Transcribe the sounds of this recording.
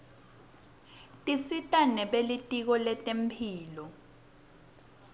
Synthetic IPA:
tʼisitʼanɛɓelitʼik̬ɔlɛtʼem̩pʰiːlɔ

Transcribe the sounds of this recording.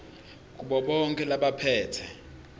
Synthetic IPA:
k̬ʼuɓɔɓɔŋkʼɛlaɓapʰɛːtʰɛ

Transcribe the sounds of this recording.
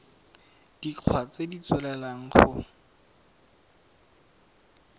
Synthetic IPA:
d̥iq͡χʰwat͡sedit͡swɛlɛlaŋ̩χʊ

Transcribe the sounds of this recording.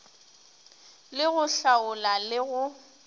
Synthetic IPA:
lɪɣʊɬaʊlalɪɣʊ

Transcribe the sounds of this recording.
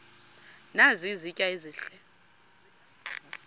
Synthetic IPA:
nazizicʼaiziːɬɛ

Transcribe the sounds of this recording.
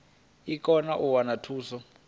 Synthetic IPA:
ikʼɔnaʔuwanatʰuːsɔ

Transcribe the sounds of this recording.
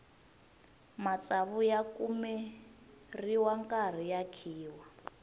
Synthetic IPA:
mat͡saβujakumɛ | riwaŋkʼar̤ijakʰiːwa

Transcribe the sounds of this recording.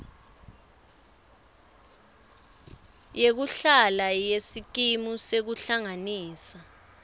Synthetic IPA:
jek̬uɬalajesik̬imusek̬uɬaŋaniːsa

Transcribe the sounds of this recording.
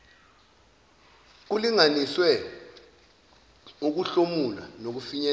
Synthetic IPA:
k̬uliŋaniswɛ | uk̬uɬomula̰nok̬ufiɲɛ

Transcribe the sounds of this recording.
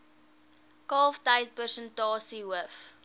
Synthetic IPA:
kɑlftɐjt̚pərsəntɑːsiɦəəf

